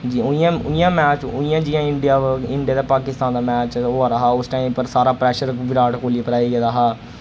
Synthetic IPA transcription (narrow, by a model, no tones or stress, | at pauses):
d͡ʒiːʊ̃jãːʊĩjãːmɛːt͡ʃʊĩjãːd͡ʒɪãːɪɳɖɪjaːɪɳɖɪjaːd̪aːpaːkɪst̪ãːnd̪aːmɛːt͡ʃoːaːɾaɦaːʊsʈaːiːmpəɾsaːɾaːpɾɛːʃəɾʋɪɾaːʈkoːliːpəɾaːiːɡɛːaɦaː